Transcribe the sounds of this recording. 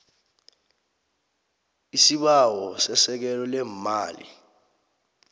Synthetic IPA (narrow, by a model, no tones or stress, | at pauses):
isiɓawɔsɛsɛk̬ɛlɔlɛmaːlḭ